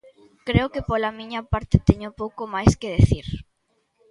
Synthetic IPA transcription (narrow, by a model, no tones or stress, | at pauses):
kɾeokepolamĩɲɐpaɾt̪et̪eɲopowkomajskeðeθiɾ